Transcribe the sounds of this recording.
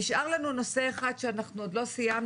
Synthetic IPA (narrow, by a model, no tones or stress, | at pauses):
iʃʔaʁlanuno̞sse̞eχad̪ʃeanaχnuod̪lo̞sijam